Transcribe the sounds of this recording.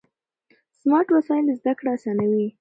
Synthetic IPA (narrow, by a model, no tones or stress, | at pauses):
smɑɾʈwasɑjɪləzd̪akɽaasɑnawi